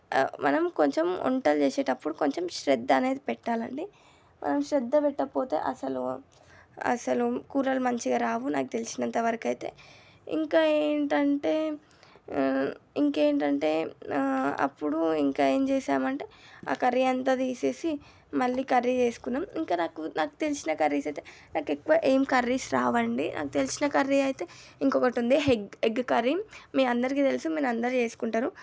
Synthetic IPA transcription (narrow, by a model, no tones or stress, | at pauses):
mɐnɐmko̞ɲt͡ʃemɔ̰ɳʈɐlt͡ʃeːseːʈɐpːuɽuko̞ɲt͡ʃemʃɾɛd̪ːɐne̞ːd̪ipɛʈːaːlɐ̰ɳɖi | mʔɐ̰nɐmʃɾɛd̪ːɐpɛʈːɐpo̞ːt̪e̞̰ːʔɐsɐlu | ɐ̰sɐlukuːɾɐlmɐɲt͡ʃiɡaːɾaːʋuna̰ːkut̪elisinɐnt̪ɐʋɐɾɐkɐjt̪e̞̰ː | ḭŋkaːeːɳʈɐɳʈe̞ː | iŋkeːɳʈɐɳʈe̞ː | ɐ̰pːuɽuiŋkaːe̞ːmt͡ʃeːsaːmɐɳʈe̞ːa̰ːkɐɾːiɐnt̪aːt̪iːse̞ːsi | mɐlːiːkɐɾːit͡ʃeːsu̥kunːaːmiŋkaːnaːkunaːku̥t̪e̞lisinɐkɐɾːisɐjt̪eːnaːkekːuʋaːʔeːmkɐɾːisɾaːʋɐɳɖinʔa̰ːkut̪e̞lisinɐkɐɾːiɐjit̪e̞iŋkɔkɐʈund̪iɦeɡeɡkɐɾimeːɐnd̪ɐɾik̬iːt̪e̞lisumeːnɐnd̪ɐɾit͡ʃe̞ːsu̥kuɳʈaːɾu